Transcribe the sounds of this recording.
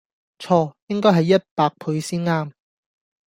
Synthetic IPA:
t͡ʃʰɔː˧jɪ˥ŋkɔː˥jɦɐ˨jːɐ˥t̚paː˧k̚pʰu˨˧ɥsiː˥nŋaː˥m

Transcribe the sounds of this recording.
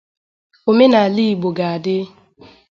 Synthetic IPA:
o˨me˦na˨li˦˨ɡ͡bo˨ɡa˨a˨dɪ˦

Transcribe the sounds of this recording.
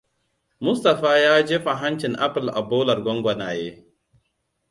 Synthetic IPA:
mʊ˦sta˨ɸaː˦jaː˦d͡ʒeː˦ɸa˨ɦa˦nt͡ʃɪ˨ŋʔa˦pɪ˨lʔa̰˨boː˦lɐ˨rɡʷɔ˦ŋɡʷɐ˨naː˨jeː˦

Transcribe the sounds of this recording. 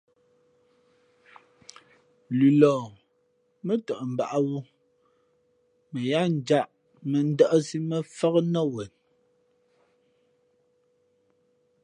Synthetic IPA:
lʉ˨lɔː˨ | mə˦tə˨ʔm̩˨ba̰˨ʔa˦wu˦ | mə˨ja˦n̩˨d͡ʒa˦ʔ | mə˨n̩˦də˦ʔə˦si˦mə˦fɔ˦ɣnɔ˦wɛ˨n

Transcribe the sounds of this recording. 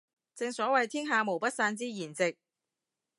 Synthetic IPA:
t͡sɪ˧ŋsɔː˨˥wɐ˨jt̪ʰiː˥ŋɦaː˨˧mo˨˩wpɐ˥t̚saː˧nt͡siː˥jiː˨˩nt͡sɪ˨k̚

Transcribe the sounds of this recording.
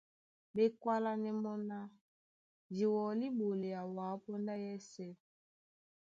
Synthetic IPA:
be˦kwa˦la˦nɛ˦mɔ˦na˦ | d͡ʒi˨wɔ˨li˦bo˨le˨ja˨wa˨˦pɔ˦nda˦jɛ˦sɛ˦

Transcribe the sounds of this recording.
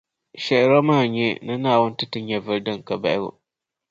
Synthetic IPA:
ɕɛ˨ɾɔ˦mãː˦˨ɲɛ˦nã˦nã˦˨wʊ̃˦n˦tɪ˦tɪ˦ɲɛ˨vɨ˦ɾdɨ̃˦ŋ˨ka˨ba˨ʔɪ˦wʊ̰˨

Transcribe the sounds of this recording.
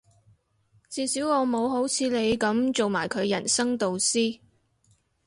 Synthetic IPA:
t͡siː˨˧siː˨˥wɔː˨˧mo˨˧wɦo˨˥wt͡sʰiː˨˧le˨˧jkɐ˨˥mt͡so˨wmaː˨˩jkʰɵ˨˧ɥjɐ˨˩nsɐ˥ŋt̪o˨wsiː˥

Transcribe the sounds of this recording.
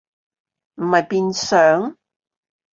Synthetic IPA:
m̩˨˩mɐ˨jpiː˧nsœː˨˥ŋ

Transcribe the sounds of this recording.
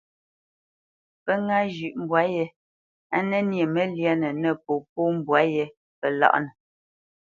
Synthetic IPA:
pə˦ŋa˦d͡ʒʉ˨ʔm̩˨bwa˨˦jɛ˦ | a˦nɛ˦nje˨mɛ˦lja˦nɛ˨nɛ˦˨po˨p̚o˦m˨bwa˦jɛ˦ | pə˨la̰˦ʔnɛ˨

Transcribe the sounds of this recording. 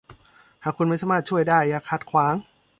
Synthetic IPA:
haː˨˩kʰu˧nma˥˩jsaː˧˦maː˥˩t̪̚t͡ɕʰu˥˩əjdaː˥˩jːaː˨˩kʰa˧˩t̪̚kʰwaː˨˩˦ŋ

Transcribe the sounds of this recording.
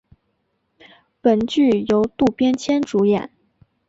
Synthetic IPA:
pə˨˩nt͡ɕy˥˩jo˧˥ʊt̪u˥˧pjɛ˥nt͡ɕʰjɛ˥nʈ͡ʂu˧˥jɛ˨˩˦n

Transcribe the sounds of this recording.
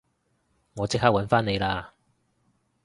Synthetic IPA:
ŋɔː˨˧t͡sɪ˥k̚haː˥k̚wɐ˨˧˥nfaː˥ne˨˧jlaː˧

